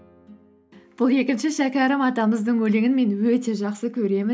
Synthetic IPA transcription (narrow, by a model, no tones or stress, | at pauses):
b̥ʊlˠje̞kʲɪnʃɪʃækʲæɾəmɑt̪ɑməzd̪əɴwɵleɡʲɪnme̞nwɵt̪e̞ʒɑqsəkʲʰɵɾe̞mɪ